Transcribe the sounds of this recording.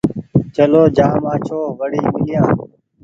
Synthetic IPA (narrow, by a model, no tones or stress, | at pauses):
t͡ʃəloːd͡ʒãːmãːt͡ʃʰoːʋəɽiːmɪlɪjãː